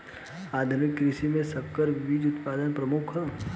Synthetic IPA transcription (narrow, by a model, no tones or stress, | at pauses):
aːd̪ʱʊnɪkːɾɪʃimẽsɐkːəɾʋiːd͡ʒʊt̪paːd̪ənpɾɐmʊkʰ